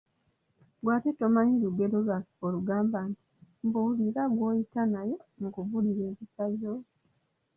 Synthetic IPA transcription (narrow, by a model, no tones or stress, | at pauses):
ɡwaːteto̞maɲiluɡe̞ɾo̞lwaoluɡaːmbanti̥mbuliɾaɡwo̞ːjitanajo̞mukuvuliɾe̞ːβisajo